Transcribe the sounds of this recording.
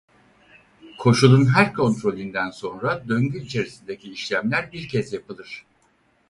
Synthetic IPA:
kʰo̞ʃulˠunɦæɾkʰo̞nt̪ɾo̞lʲind̪ænso̞nɾad̪ø̞ɲɟyit͡ʃʰe̞ɾisind̪ecʰiːʃlʲæmlʲæɾbiɾcʰɛzjapɯlˠɯɾ̝̥

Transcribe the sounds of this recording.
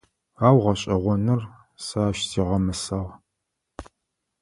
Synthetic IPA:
aːwʁɐɕʼɐʁʷɔnɨr | saːʃziːʁɐmɨsɐʁ

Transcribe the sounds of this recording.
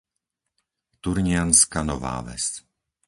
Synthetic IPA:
t̪uɾɲɪanskanɔva̰ːvɛ̰st

